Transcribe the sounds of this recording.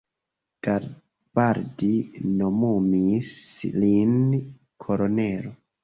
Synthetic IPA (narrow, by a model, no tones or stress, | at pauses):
ɡ̥aɾ | b̥aɾdinomumislin | kʰoɾoneɾo